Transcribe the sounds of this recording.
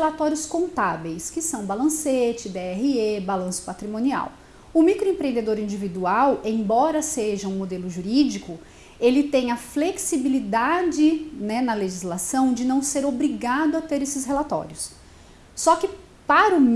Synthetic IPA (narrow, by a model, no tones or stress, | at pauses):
elat̪ɔɾjʊskõnt̪avejskɪsɐ̃w̃balɐ̃set͡ʃɪd̪eɛhiebalɐ̃sʊ̥pat̪ɾimõnia̰w | ʊmikɾoẽpɾẽnd̪ed̪oɾĩnd͡ʒivid̪uawẽj̃bɔɾɐseʒɐũmod̪elʊʒuɾid͡ʒikʊ | elɪt̪ẽj̃ɐfleksibilid̪ad͡ʒɪnɛnɐleʒizlasɐ̃w̃d͡ʒɪnɐ̃w̃seɾobɾiɡad̪ʊɐt̪eɾesɪsɦelat̪ɔ̰ɾjʊsː | ɔkɪ | paɾʊm